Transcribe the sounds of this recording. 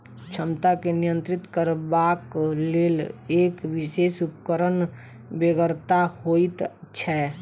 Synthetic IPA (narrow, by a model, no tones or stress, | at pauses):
t͡ʃʰəmt̪akenijə̃nt̪ɾɪt̪kəɾbakleːleːkwɪʃeːsʊpkəɾən | beɡəɾt̪ahoit̪t͡ʃʰɛ